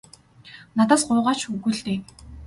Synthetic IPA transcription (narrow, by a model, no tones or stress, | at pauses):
nat̪aːsɢʊːʁaːt͡ɕxɵɣŭɮt̪eː